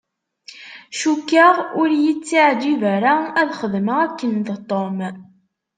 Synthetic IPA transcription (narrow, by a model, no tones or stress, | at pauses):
ʃukːaʁʊɾjət͡sːiʕd̪ivæɾaæðχəðməʁækːənðt̪ˤːom